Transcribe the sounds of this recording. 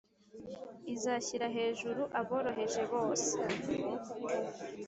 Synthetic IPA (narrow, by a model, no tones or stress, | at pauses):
izaːçiɾaɦe̞ːʒuɾuʔaβo̞ːɾo̞ɦe̞ʒe̞βo̞ːse